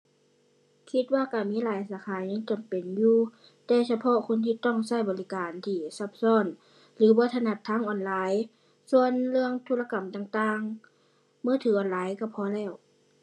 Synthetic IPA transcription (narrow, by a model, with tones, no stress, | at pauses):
kʰi˧˦t̪̚waː˧˨ka˧˩miː˧˥˨laː˨˦jsaː˨˧˦kʰaː˨˦jɲaː˧˥ŋt͡ɕa˨mpe˨njuː˧ | t̪ɛː˧˩sa˧pʰɔ˧˨kʰo˧˥˨nt̪ʰiː˧˨t̪ɔ˧˩ŋsa˧˥˩jbɔː˨li˦˧˥kaː˨˩nt̪ʰiː˧˩sa˧˩p̚sɔː˧˥˨n | lɯː˨˦bɔː˧˦t̪ʰa˧na˧˩t̪ʰːaː˧˥˨ŋʔɔː˨˩nlaː˨˦j | su˧˨ənlɯ˧əŋt̪ʰuː˧˥la˧ka˨˩mt̪aː˧ŋt̪aː˧ŋ | mɯː˧˥˨t̪ʰɯː˨˦ʔɔː˨˩˨nlaː˨˦jka˧˩pʰɔː˧˨lɛː˧˩w